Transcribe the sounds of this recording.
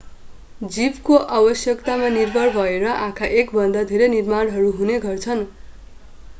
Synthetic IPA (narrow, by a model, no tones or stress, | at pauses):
d͡zibkoʔabʌsjʌkt̪amanirbʱʌɽbʱʌeɾʌʔãkʰaʔekbʱʌnd̪ad̪ʱeɾenirmaɽɦʌɾuɦuneɡʱʌrt͡sʰʌn